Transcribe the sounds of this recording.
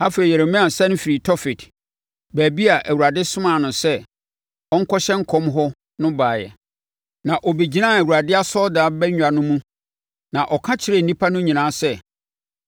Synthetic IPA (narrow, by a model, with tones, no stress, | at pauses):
a˦fe˨ɾi˨jɛ˨ɾɪ˨mɪ̃˦ã˨sɛ˦n̩˦fi˨ɾi˨tʰɔ˦fɪ˨t | bæː˨bi˦a˨ʔæ˨wu˨a˨dɪ˦sʊ̃˦mã˨nʊ̃˨sɛ˦ | ɔ˦ŋ̩˦kʰɔ˦ɕɛ˦ŋ̩˦kʰɔ̃˦mɦɔ˦ | nʊ̃˦baː˨jɛ̰˨ | nã˨ʔɔ˨be˨d͡ʑi˦nã˦˨æ˨wu˨ɾa˨dɪ˦a˦sɔ˦daː˨˦bɛ˦ɲᶣ˨a˨nʊ̃˦mũ˦ | nã˨ʔɔ˨kʰã˦t͡ɕʰɪ˦ɾɛ˦˨n̩˨nĩ˦pʰa˦nʊ̃˦ɲĩ˨nãː˨˦sɛ˦˨